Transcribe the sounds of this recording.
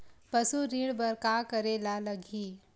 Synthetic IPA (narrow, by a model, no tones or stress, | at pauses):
pɐsuɾiːɽbɐɾkaːkɐɾeːlalɐɡʱiː